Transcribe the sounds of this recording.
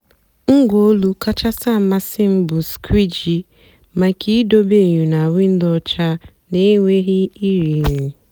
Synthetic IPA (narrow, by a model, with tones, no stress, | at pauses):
ŋ̩˦ɡo˦lu˦ka˦t͡ʃa˦sa˦˨ma˦sɪ˦m̩˦bʊ˨skʰi˦d͡ʒi˨ | ma˨kʰi˦do˦be˦˨ɲu˨na˨wʷi˦n̩˦dɔ˦t͡ʃa˦ | ne˦ŋʷe˦ɣi˦i˦ɾi˨ni˨